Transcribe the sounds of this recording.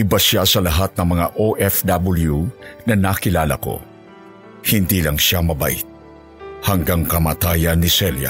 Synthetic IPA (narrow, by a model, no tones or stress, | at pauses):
ʔɪbasjasɐlɐɦat̪̚nɐŋmɐŋaʔoʔɛfd̪abɪljunɐnakɪlaːlɐ̰ko̞̰ | hɪnd̪iːlɐŋʃamɐba̰ʔit̪̚ | hɐŋɡaŋkɐmaːt̪aːjɐnːisɛlja̰